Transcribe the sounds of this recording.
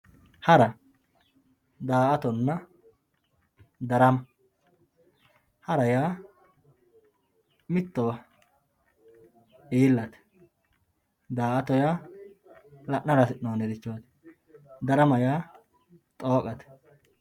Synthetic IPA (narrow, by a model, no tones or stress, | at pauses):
hɐɾɐ | d̪aːʔɐt̪ɔnːɐ | d̪ɐɾɐmɐ | hɐɾɐjaː | mɪt̪ːɔwɐ | iːlːɐt̪ɛ̥ | d̪aːʔɐt̪ɔjaː | lɐʔnɐɾɐsɪoːnɛd̪ɪt͡ʃːot̪ | d̪ɐɾɐmɐjaː | t̪ʼoːkʼɐt̪ɛ̥